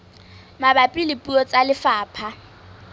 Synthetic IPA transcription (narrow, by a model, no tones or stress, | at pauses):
mabapʼilɪpʼuɔt͡sʼalɪfaːpʰa